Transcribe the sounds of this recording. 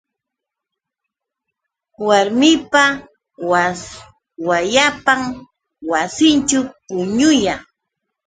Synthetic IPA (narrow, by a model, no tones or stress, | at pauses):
waɾmɪpa | wa | wajapam | wasɪnt͡ʃʊpʊɲʊja